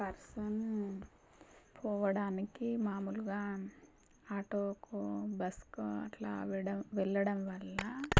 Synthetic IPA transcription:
pɐɾsɐn | pʰɔːʋɐɽaːnikimaːmuluɡaː | aːʈoːkoːbɐskoɐ̰ʈla̰ːʋɐʋɛɭːɐɽɐmʋɐɭːɐ

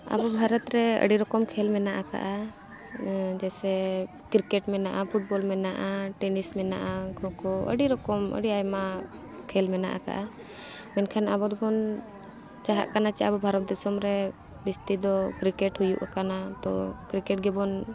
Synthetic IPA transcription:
a̰bɔbʱaɾɔt̪ɾɛə̰ɖiɾɔkɔmkʰɛlmɛnaʔaka̰ʔa | d͡ʒɛsɛ | kɾikɛʈmɛnaʔapʰuʈ̚bɔlmɛnaʔaʈɛnismɛna̰ʔaɡɔkɔə̰ɖiɾɔkɔmə̰ɖiajma | kʰɛlmɛna̰ʔa̰ka̰ʔa | mɛnkʰanabɔd̪ɔbɔn | t͡ʃaɦa̰ʔkanat͡ʃɛabɔbʱaɾɔt̪̚d̪ɛsɔmɾɛ | bist̪id̪ɔkɾikɛʈhujṵʔakanat̪ɔ̰kɾikɛʈ̚ɡɛbɔn

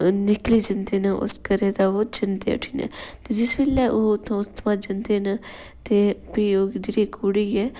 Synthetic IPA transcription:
nɪkliːd͡ʒənd̪eːnəʔʊ̰skəɾeːd̪aːoːd͡ʒənd̪ḛːʊ̰ʈʰiːnɛ̰ːt̪eːd͡ʒɪsbeːlɛːʔoːt̪ʰːõʊt̪maːd͡ʒənd̪eːnə | t̪eːbiːoːd̪iɾiːkuɽiːɛː

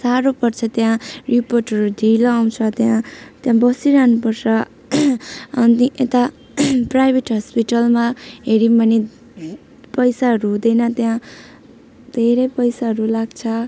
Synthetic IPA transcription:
saɾopʌrt͡sʰʌt̪jãriporʈɦʌɾud̪ʱilʌːw̃t͡sʰʌt̪jãt̪jãbʌsiɾanupʌrsʌ | t̪iʔet̪a | prajbʱeʈɦʌspiʈʌlmaɦeɾimbʌne | pʌjsaɦʌɾuɦũd̪ʌjnʌt̪jã | d̪ʱeɾʌjpʌjsaɦʌɾulaɡt͡sʰʌ

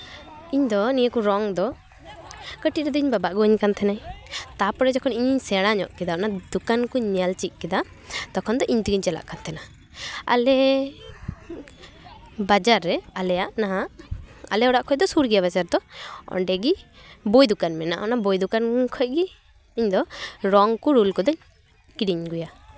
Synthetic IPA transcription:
iɲd̪ɔnijəkuɾɔŋd̪ɔ | kəʈiɾɛd̪ɔiɲbabaʔɡɔəɲkant̪ʰɛnaɲt̪apɔɽɛd͡ʒɔkʰɔniɲiɲsɛɽ̃aɲɔ̰ʔkɛd̪anad̪ukankuɲɛlt͡ʃic̚ˀkɛd̪a | t̪ɔkʰɔnd̪ɔʔiɲt̪iɡiɲt͡ʃɛla̰ʔkant̪ʰɛna | a̰lɛ | bad͡ʒaɾːɛalɛjaʔnaɦaʔa̰lɛɔɽaʔkʰɔc̚d̪ɔsuɾɡijaβad͡ʒaɾd̪ɔɔ̰ɳɖɛɡibɔjd̪ukanmɛna̰ʔɔnabɔjd̪ukankʰɔc̚ɡiː | ɲd̪ɔɾɔŋkuɾulkɔd̪ɔɲ | kiɽiɲɡuja

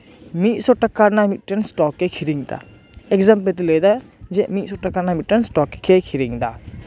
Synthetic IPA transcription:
mit̪̚sɔʈakːaɾnamit̪̚ʈɛnsʈɔkːekʰiɾiŋt̪a̰ | ɛkzamp̬et̪̬iləd̪ad͡ʒɛʔmit̪̚sɔʈakːaɾnamit̚ʈɛnsʈɔkːe̥kʰekʰiɾiŋd̪a

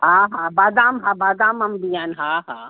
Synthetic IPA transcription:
ɦaɦãbad̪aːmɦãbad̪aːmɐmbijaːnɦaɦa

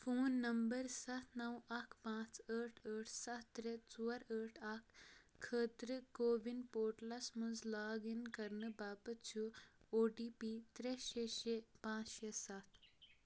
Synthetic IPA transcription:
foːnːəmbəɾsat̪ʰnəwakʰpãt͡səʈʰəʈʰsat̪ːɾet͡suʋəɾəʈʰakʰːət̪ɾəkoʋinpoɾʈlasməd͡zlaɡinkəɾɳəbabətt͡ɕuoɖipit̪ɾeɕeɕepãt͡sɕesat̪ʰ

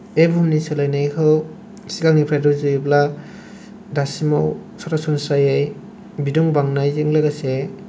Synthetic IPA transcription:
ebumniselajnajkʰɯw | siɡaŋnipʰɾajdɔzujibla | dasimaw | saɾasunsajaj | biduŋbaŋnajziŋlaɡase

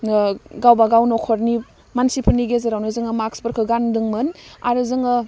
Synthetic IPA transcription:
ɡawbaɡawnokʰoɾni | mansipʰɯɾniɡezɐɾawnɯzɯŋɐmakspəɾkʰɯɡandɯŋmɯnaɾɯzɯŋɯ

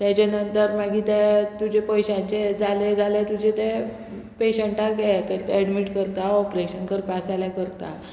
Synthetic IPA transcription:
t̪jat͡ɕanənt̪əɾmaɡʱiːt̪et̪ud͡ʑepɔjɕãɲt͡ɕed͡zʱaled͡zʱalet̪ud͡ʑʱet̪e | peɕəɳʈakjɛk̪eɛɽmiʈkəɾt̪aɔpɾeɕənkəɾpasaljakəɾt̪a̰

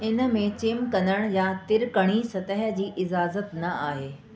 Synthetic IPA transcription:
ɪnə̆mẽt͡ɕɪmkɐ̃nəɽ̃jat̪ɪɾkəɽ̃isɐt̪əɦə̆d͡ʑiːʔɪzaːzət̪nɐʔaːɦeː

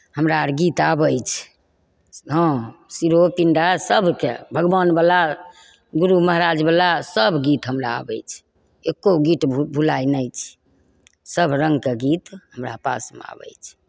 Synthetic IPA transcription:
həmɾaɾɡit̪abəjt͡ʃʰ | ɦə̃siɾopiɳɖasəbʱkḛbʱəɡbanbala | ɡuɾuməɦɾad͡ʒbalasəbʱɡit̪ɦəmɾa̰ːbə̰jt͡ʃʰ | ekːoɡiʈbʱulajnəjt͡ʃʰ | səbʱɾəŋɡkeɡit̪ɦəmɾapa̰smḛa̰bə̰jt͡ʃʰ

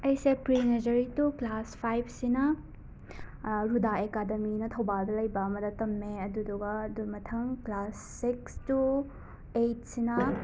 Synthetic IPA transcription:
ɐjsepɾinɐd͡ʒɐɾituklaspʰajb̚ʰsinɐ | ɾudaekademinɐtʰɐwbaldɐlɐjbɐɐmɐdɐtɐmːeɐduduɡɐdumɐtʰɐŋklasːikstu | ejt̚sinɐ

